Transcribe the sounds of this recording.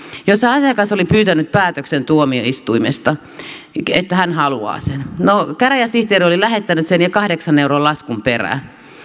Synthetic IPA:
josːɑɑsijɑkɑsolipyːt̪ænyt̪̚pæːt̪øksent̪uomio̰ist̪uimest̪ɑ | et̪ːæhænhɑluɑ̰ːsennokæræjɑsiht̪eːɾiolilæhet̪ːænyt̪senjɑkɑhdeksɑneuroːlɑskumperæ̰ː

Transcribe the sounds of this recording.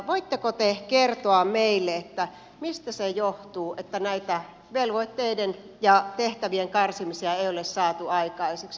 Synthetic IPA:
ʋoit̪ːekot̪ekert̪oɑmeilːeet̪ːæ | mist̪æsejoht̪uːʔet̪ːænæit̪æ | ʋelʋoit̪ːeiden | jɑt̪eht̪æʋieŋkɑrsimisiæeiolessɑːt̪uɑikɑiseks

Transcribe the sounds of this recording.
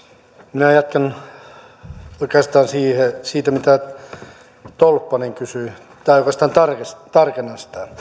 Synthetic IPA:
minæjɑt̪̚kɑn | okɑst̪ɑːnsiːhesiːt̪æmit̪æ | t̪olpːɑneŋkysy | t̪ɑːjokɑst̪ɑnt̪ɑrkest̪ɑrkenːɑnsi̥t̪æ

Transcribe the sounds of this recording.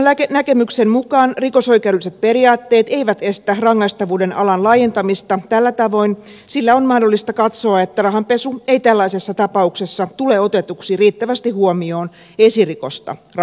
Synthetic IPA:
ækenækemyksemmukɑːnrikoso̞ikeæuɾdyliset̪̚periɑːt̪ːeːt̪e̞iʋæt̪est̪ærɑŋːɑist̪ɑʋuːdenɑlɑnlɑːjent̪ɑmist̪ɑt̪ælːæt̪ɑʋo̞in | silːæonmɑhdolːist̪ɑkɑt̪soɑet̪ːærɑɦɑmpesueit̪ælːɑisesːɑt̪ɑpɑuksesːɑt̪uleo̞t̪et̪uksiːriːt̪ːæʋæst̪ihuomio̞ːn | esirikost̪ɑ̰rɑ

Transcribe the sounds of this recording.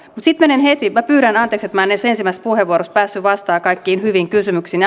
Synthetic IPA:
mut̪sit̪menenhet̪imæpyːɾænɑneːkset̪mæːnesensimːˑæspuheʋuoɾospæːsːyʋɑst̪ɑːkɑikːiːnhyʋiŋkysymyksiːn

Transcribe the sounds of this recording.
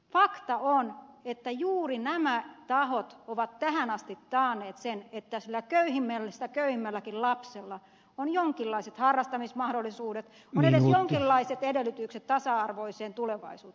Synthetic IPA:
fɑkt̪ɑonet̪ːæjuːrinæmæt̪ɑhot̪oʋɑt̪tæhænɑst̪it̪ːɑːneːt̪senet̪ːæsilːækøyhimːelːsit̪ækøyhimːælːækillɑpselːɑ | onjoŋkilːɑiset̪hɑrːɑst̪ɑmismɑhdolːˑisuːdet̪ | onedesjoŋkilːɑiset̪edelːˑyt̪ykset̪t̪ɑsɑɑrʋoiseːnt̪uleʋɑ̰isṵːt̪

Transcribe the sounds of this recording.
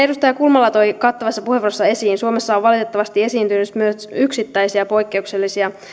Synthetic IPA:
edust̪ɑjɑkulmɑlːɑt̪o̞jkɑt̪ːɑʋɑsːɑpuheʋorosːɑe̞siːnsuomesːɑoʋʋɑlit̪e̞t̪ːɑʋɑst̪ie̞siːnt̪ynysmyøsyksit̪ːæjsiɑpo̞jkːe̞ukse̞lːisiɑ

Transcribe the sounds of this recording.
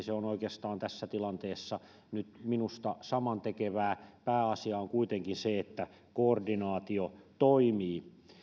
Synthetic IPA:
seonoikeɑst̪ɑːnt̪æsːæt̪ilɑnt̪eːsːɑ | nyt̪minust̪ɑsɑmɑnt̪ekeʋæːpæːɑsiɑːŋkuit̪eŋkinseet̪ːæ | koːrdinɑːt̪iot̪oimiː

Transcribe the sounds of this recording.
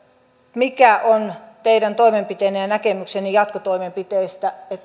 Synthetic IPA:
mikæʔont̪eiɾænt̪oimempit̪einːæjænækemyksenijɑt̪kot̪oimempit̪eist̪æet̪ː

